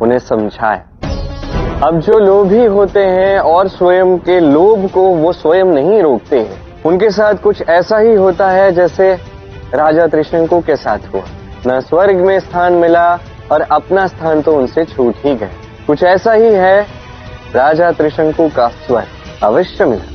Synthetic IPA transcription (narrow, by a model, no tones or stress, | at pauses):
ʊnɦẽsɐ̃md͡ʒʱa̰ːja̰ː | ɐb̚d͡ʒoːloːbʱiɦoːt̪eɦɛ̃ɔːɾswɐjəmkeloːbʱkoʋoswɐjəmnɐɦĩɾoːk̚t̪eɦɛ̰̃ː | ʊnkes̬aːt̪ʰkʊt͡ʃʰɛːsaɦiɦoːt̪aɦɛd͡ʒɛːse | ɾaːd͡ʒat̪ɾɪʃə̃ŋkokesa̰ːt̪ʰɦṵa̰ | naswɐɾɡmẽst̪ʰaːnmɪla | ɔːɾɐpnast̪ʰaːnt̪oʊnset͡ʃʰuːʈɦiɡɐ̰ḛː | kʊt͡ʃʰɛːsaɦiɦɛ | ɾaːd͡ʒat̪ɾɪʃə̃ŋkukaswɐ̰ɾɡ | aːʋəʃjəmɪla̰ː